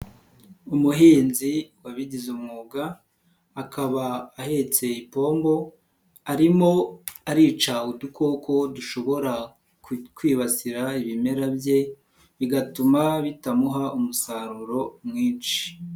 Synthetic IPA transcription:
umuɦiːnziwaβiɟizumŋuːɡaː | kaβaːhet͡se̞ipo̞ːmbo̞ | aɾimo̞aɾiːt͡ʃaudukʰo̞ko̞duʃo̞βo̞ɾa | kwiːβasiɾaiβime̞ɾabje̞ | βiɡatumaβitamuɦaumusaɾuɾo̞mŋiːnʃi̥

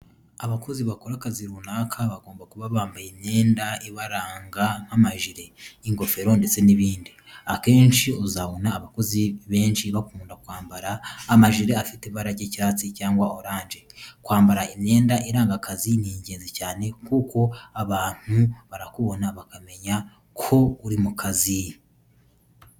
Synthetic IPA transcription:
aβako̞ziβakoɾakaziɾuːnaːkʰaβaɡo̞ːmbakuβaβaːmbaimɲe̞ːndaiβaɾaːŋɡaŋ̥hamaʒiɾe̞iŋɡo̞fe̞ɾo̞nde̞t͡se̞niβiːndi | ake̞ːnʃiozaβonaːβako̞ziβe̞ːnʃiβakuːndakwaːmbaɾaːmaʒiɾe̞afiteβaɾaɟeciɾaːt͡sicaːŋɡwaoɾaːnd͡ʒe̞kwaːmbaɾaimɲe̞ːndaʔiɾaːŋɡakaziniɲɟe̞ːnzecaːne̞kuko̞aβaːn̥huβaɾakuβo̞naβakame̞ɲa | kʰo̞uɾimukʰazi

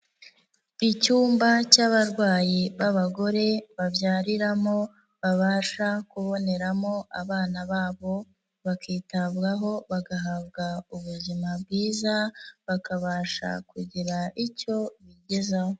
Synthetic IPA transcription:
icuːmbacaβaɾɡwaːjiβaβaɡo̞ɾe̞βavjaːɾiɾamo̞ | βaβaːʃakuβo̞ne̞ɾamo̞ʔa̰βaːnaβaːβo̞ | βakiːtaβɡaɦo̞βaɡaɦaβɡauβuzimabɡiːzaβakaβaːʃa̰kuɟiɾaʔico̞βiɟe̞zaho

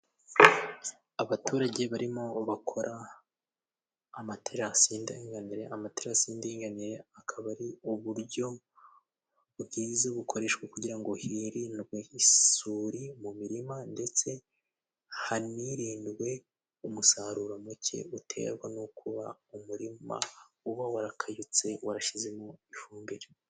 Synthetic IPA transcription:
aβatuːɾaɟe̞βaɾimo̞βakʰo̞ɾʔa | matʰeɾasiːndaiŋɡaniɾe̞ʔamateɾasiːndeiŋɡaniɾe̞akʰaβaɾiuβuɾɟo̞ | βɡiːzaβukʰo̞ɾe̞ʃɡwakuɟiɾaŋɡo̞hiɾiːndɡwehisuːɾimumiɾimande̞t͡se̞ | haniɾiːndwe̞ | umusaɾuɾamucʰe̞̰utʰe̞̰ɾɡwanokʰuβaumuɾima̰ | uβawaɾakʰajut͡se̞waɾaʃizemoifuːmbeɾe

